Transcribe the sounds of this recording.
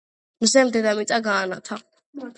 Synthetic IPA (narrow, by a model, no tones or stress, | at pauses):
mzɛmd̪ɛd̪amit̪ʼaɡaːnat̪ʰa